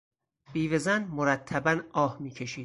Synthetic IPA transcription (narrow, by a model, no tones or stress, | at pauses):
biːvezænmoɾæt̪ʰːæbænɒːhmiːcʰe̞ʃiːd̪̥